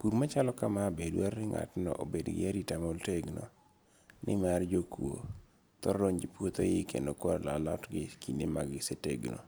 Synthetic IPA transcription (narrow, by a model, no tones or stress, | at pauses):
kuɾmat͡ʃalɔkamabedwarːɪŋa̰tnɔ̰ʔobedɡɪ̰aɾitamolteɡno̰ | nɪmard͡ʒokuo̰ | t̪ɔɾɾoŋd͡ʒipwot̪ojɪkḛndokwaɾlalɔtɡɪkʰinimaɡɪseteɡno̰